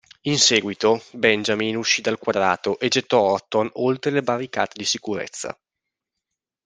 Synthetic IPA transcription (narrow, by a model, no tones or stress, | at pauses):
insɛːɡwit̪obɛnd͡ʒaminuʃːid̪alkwad̪ɾa̰ːt̪oʔed͡ʒet̪ːɔɔrt̪onolt̪ɾelebarːika̰ːt̪ed̪isikuɾḛt̪sːa̰